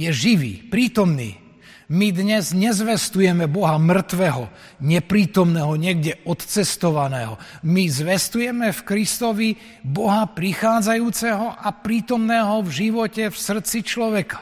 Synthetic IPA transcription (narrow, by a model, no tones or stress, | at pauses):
jɛʒiʋḭːpɾiːt̪ɔmnḭː | mid̪ɲɛzɲɛzʋɛst̪ujɛmɛbɔɦamr̩t̪ʋɛɦɔ | ɲɛpɾiːt̪ɔmnɛːɦɔɲɪɛɡɟɛɔt̪t͡sɛst̪ɔʋanɛːɦɔmizʋɛst̪ujɛmɛfkɾist̪ɔʋi | bɔɦapɾixaːd͡zajuːt͡sɛɦɔʔapɾiːt̪ɔmnɛːɦɔvʒiʋɔcɛfsr̩t͡sit͡ʃlɔʋɛkḁ